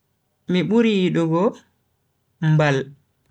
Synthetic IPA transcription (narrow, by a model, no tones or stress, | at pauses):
miɓuɾiːɗɔɡɔ | mbal